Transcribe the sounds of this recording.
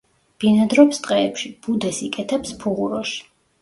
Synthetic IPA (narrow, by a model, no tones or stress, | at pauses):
b̥inad̪ɾɔpst̪ʼqʼɛːpʃib̥ud̪ɛsikʼɛt̪ʰɛpspʰuʁuɾɔʃi̥